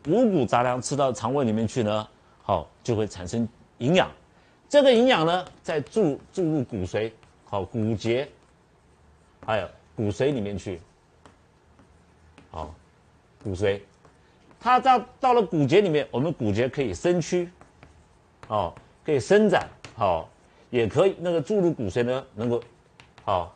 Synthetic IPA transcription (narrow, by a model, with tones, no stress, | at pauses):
u˧˥k̬u˨˩t͡sa˧˥ljɑ˥ŋʈ͡ʂ̩ʰ˥t̪ɑ˥˩ʊʈ͡ʂʰɑ˧˥ŋwe˥˩li˨˩mjɛ˥˧nt͡ɕʰy˥˩nə˩ | xɔ˥˧˩t͡ɕjo˥˧ʊxwe˥˩ɪʈ͡ʂʰa̰˨˩nʂə˥ŋ | i˧˥ŋjɑ̰˨˩˦ŋ | ʈ͡ʂɤ˥˩ɡə˨i˧˥ŋjɑ˨˩ŋnə˦t͡sa˥˧ɪʈ͡ʂu˥˧t͡su˥˧lu˥˩ku˨˩swe˧˥ɪ | xɔ˥˩ku˨˩t͡ɕjɛ˧˥ | xa˧˥ɪjo˨˩ʊ | ku˨˩swe˧˥ɪli˨˩mjɛ˥˧nt͡ɕʰy˥˩ | ɔ̰˥˧˩ | ku˨˩swe˧˥ɪ | t̪ʰa˥ta˥˧t̪ɑ˥˩ʊlə˩ku˨˩t͡ɕjɛ˧˥li˨˩mjɛ˥˩nwɔ˨˩mə˦nku˨˩t͡ɕjɛ˧˥kʰɤ˧˥i˨˩ʂə˥nt͡ɕʰy˥ | ɔ˥˩ | kʰɤ˧˥i˨˩ʂə˥nt͡sa̰˨˩˦nxɔ˥˧˩ | jɛ˨˩kʰɤ˧˥i˨˩na˥˩ɡə˨ʈ͡ʂu˥˧lu˥˩ku˨˩swe˧˥ɪnə˧nɤ˧˥ŋko˥˩ʊ | hɔ˥˩